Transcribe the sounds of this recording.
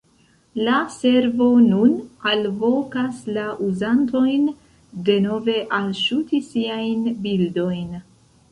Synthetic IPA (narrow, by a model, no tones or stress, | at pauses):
lase̞ɾvo̞nunalvo̞kaslaʔuzanto̞jn | de̞no̞ve̞ʔalʃutisiajnbildo̞jn